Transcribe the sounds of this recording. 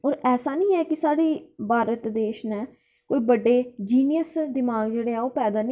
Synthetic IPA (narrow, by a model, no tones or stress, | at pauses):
oːɾɛːsaːnĩːɛːkɪsaːɽiːbʱaːɾət̪d̪eːʃnɛː | koːiːbəɖːeːd͡ʒiːnɪjəsd̪ɪmaːɡd͡ʒeːɽeːɛːoːpɛːd̪aːn